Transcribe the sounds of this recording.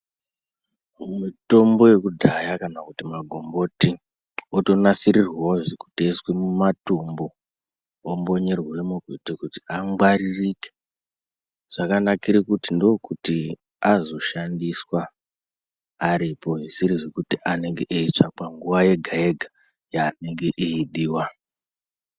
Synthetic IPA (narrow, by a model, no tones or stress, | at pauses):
mito̞mbo̞je̞kudʱajakanakutimaɡʱo̞mbo̞ti | oto̞nasirirwoʐiku̥tieswemumatumbo̞ | omboɲe̞rwe̞mukutekuti̥aŋɡwaririke | ʐ̥akanakiɾikutindo̞kuti | azo̞ʃandiswa | ɾipo̞ʐisiɾiʐekutiʔane̞ŋɡeʔeit͡ʂakaŋɡuwaje̞ɡʱae̞ɡʱa | jaːne̞ŋɡe̞ʔiiɗiːwa